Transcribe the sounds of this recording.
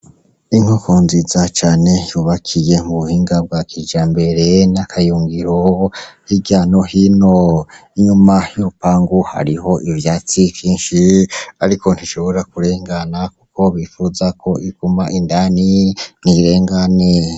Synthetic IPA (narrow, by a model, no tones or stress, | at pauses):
iŋ̥okoːnzizat͡ʃaːne̞juβakʰije̞muβuhiːŋɡab̚ɡwakʰid͡ʒaːmbe̞ɾe̞nakʰajuːŋɡiɾohiɟaːnohinoiɲumajuupaːŋɡuha̰ɾiɦo̞ʔivjaːt͡sivjiːnʃiaɾikʰo̞n̥tiʃo̞βo̞ɾakuɾe̞ːŋɡanakukʰo̞βifuzakʰo̞iɡumaʔindaniniɾe̞ːŋɡane